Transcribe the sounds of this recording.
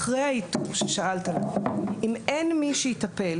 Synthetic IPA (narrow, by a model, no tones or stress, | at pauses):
ʁejhaitufʃeʃaʔaltalaʔimenmiʃejitapel